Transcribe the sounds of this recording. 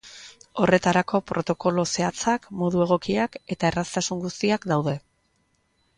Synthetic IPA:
o̞re̞t̪aɾako̞pɾo̞t̪o̞ko̞lo̞se̞at͡sakmo̞ðue̞ɣ̞o̞kiake̞t̪ae̞rast̪asuŋɡust̪iakd̪awðe̞

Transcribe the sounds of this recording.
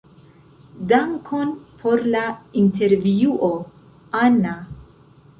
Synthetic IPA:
daŋkʰo̞npʰo̞ɾlainte̞ɾviuʔo | ana

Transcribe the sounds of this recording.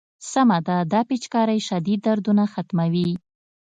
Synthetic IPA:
samad̪ad̪ɑpit͡ʃkɑɾajʃad̪id̪ːaɾd̪unaxat̪mawi

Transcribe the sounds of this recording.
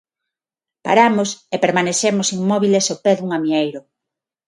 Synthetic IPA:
pa̰ɾamosepeɾmaneʃemosiŋmɔβilesopɛðuŋamiejɾʊ

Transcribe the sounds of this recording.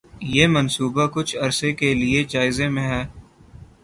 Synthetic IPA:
jeːmənsuːbakʊt͡ʃʰɐɾsekelɪed͡ʒaːɪzẽmẽɦɛː

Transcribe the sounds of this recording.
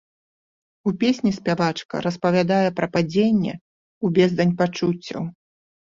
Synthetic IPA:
upʲesʲnʲisʲpʲavat͡ʂkɐ̰ɾɐspɐvʲad̪ajɛpɾɐpad͡zʲenʲːɛ̰ | ubʲɛzd̪ɐnʲpat͡ʂut͡sʲːɐ̰w

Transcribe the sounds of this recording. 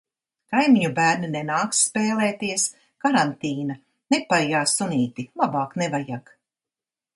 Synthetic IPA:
kajmiɲubæːɾninenaːksːpeːlˠeːt̪iɛs | kaɾant̪iːna | nepajaːsunʲiːt̪ilˠabaːknevajak

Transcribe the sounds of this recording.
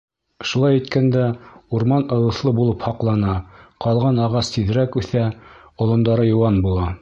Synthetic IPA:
ʃulˠɑjæt̪kænd̪æuɾmɑnɤ̆lˠɤ̆θlˠɤbulˠɤphɑqlˠɑnɑqɑlˠʁɑnɑʁɑst̪iðɾækʉθæ | ŏlˠŏnd̪ɑɾɤjŏwɑnbulˠɑ

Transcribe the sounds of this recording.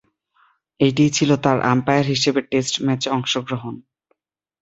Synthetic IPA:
eʈ̬it͡ɕʰilot̪aɾʔa̰mpajaɾɦiʃebeʈesʈmɛt͡ɕɔŋʃoɡɾoɦon

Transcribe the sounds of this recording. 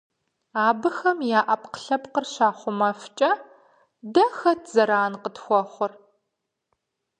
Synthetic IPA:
aːbɨxɐmjaːʔɐpqə̥ɬɐpqərɕaːχʷʊmɐft͡ʃʼɐ | dɐxɐtʰzɐɾaːnqətxʷɔχʷʊr

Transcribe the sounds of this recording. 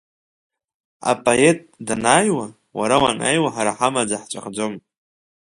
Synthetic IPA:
a̰pʼoetʼdanaːjwa | waɾawana̰jwaħaɾaħamad͡zaħt͡ʃʷʼa̰χd͡zʷom

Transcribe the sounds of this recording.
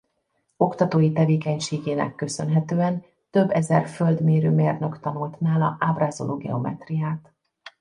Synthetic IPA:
o̞kt̪ɒt̪oːjit̪ɛveːkɛɲʃeːɡeːnɛ̰kːø̞sø̞nɦɛt̪øːɛn | t̪ø̞bːɛzɛrføld̪meːɾøːmeːrnøkt̪ɒnult̪naːlɒ̰ʔaːbraːzo̞̰lʔoːɡɛ̰o̞̰mɛ̰t̪rijaːt̪

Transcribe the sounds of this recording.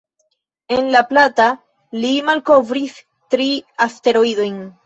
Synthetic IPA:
e̞nlaplata | limalko̞vɾis | tɾiaste̞ɾoido̞jn

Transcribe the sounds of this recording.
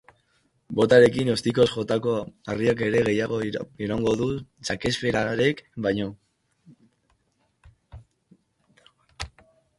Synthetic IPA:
bo̞t̪aɾe̞kino̞st̪iko̞sʝo̞t̪ako̞ariak̬e̞ɾe̞ɣe̞jaɣ̞oiɾoŋɡo̞ðusake̞spe̞ɾaɾe̞kbajɲo̞

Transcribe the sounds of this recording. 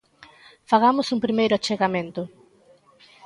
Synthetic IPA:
faɣamʊsuŋpɾimejɾʊat͡ʃeɣamẽnt̪ʊ

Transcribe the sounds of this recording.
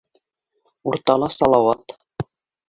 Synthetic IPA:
uɾt̪ɑlˠɑsɑlˠɑwɑt̪

